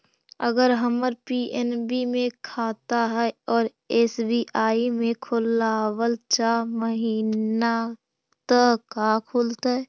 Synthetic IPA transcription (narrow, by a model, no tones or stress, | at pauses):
əɡəɾɦəməɾpiːʔɛnbimẽkʰaːt̪aɦɛɔːɾ | eːsbiːʔaːimẽkʰʊlaːwəlt͡ʃaːɾməɦiːna | t̪əkakʰʊːlt̪ɦɛː